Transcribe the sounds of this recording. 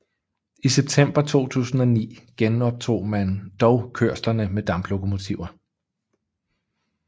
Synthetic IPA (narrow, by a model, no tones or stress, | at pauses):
iseb̥̚t͡sʰem̰b̥ɐt͡sʰo̝̰ːt͡sʰṵːsn̩ɒ̽nḭːɡ̥enɒ̽b̥̚t͡sʰo̝̰ːmænd̥ɒʊkʰøɐ̰slɐnəmed̥ɑ̈mb̥lo̝kʰo̝mo̝t͡sʰiʊ̰ɐ